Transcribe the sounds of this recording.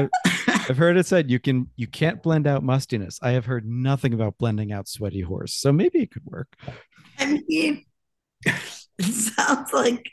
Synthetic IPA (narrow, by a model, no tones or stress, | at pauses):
aɪv̥ɦɜ˞ɾɨtsɛdjɨkɨ̃njɨkʰæ̃nb̥lɛ̃ndaʊt̚mʌstinɨ̰saɪɨv̥ɦɜ˞dⁿnʌθɪ̃ŋəbaʊt̚b̥lɛ̃ndɪ̃ŋaʊtswɛɾihɔ̰ɹsːoʊmeɪbiɨt̚kʰɨd̚wɜ̰˞k̚ | aɪ̃mi | ɪtsãʊ̃ndz̥laɪk